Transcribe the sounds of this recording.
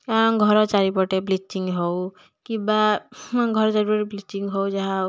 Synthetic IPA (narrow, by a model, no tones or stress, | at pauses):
kaɾɔnɡʱɔɾɔt͡ʃaɾipɔʈeplit͡ʃːiŋɡɦɔw | kibaɡʱɔɾt͡ʃaɾipɔɾiblit͡ʃiŋɡɦɔwd͡ʒaɦã